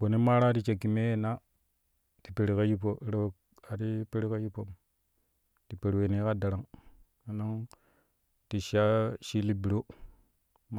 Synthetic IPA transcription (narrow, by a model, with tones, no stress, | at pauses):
bo˨ne˦ma˦ɾa˦ti˦t͡ʃe˨ki˨me˦je˨na˦ | ti˨pe˨ɾi˨ka˦ji˦pːo˨˦ɾe˦˨ | a˨ti˦pe˦ɾi˦ka˦ji˦pːo˨m | ti˨pe˨ɾwe˨ni˦ka˦da˨ɾa˨ŋ | a˨na˦ŋ | ti˨ʃa˦ʃi˦li˦bi˨ɾo˦ | m˦